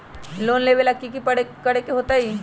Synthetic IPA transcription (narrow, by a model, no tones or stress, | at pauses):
loːnleːʋelɐkːikipɐɽekɐɽekeɦoːt̪aiː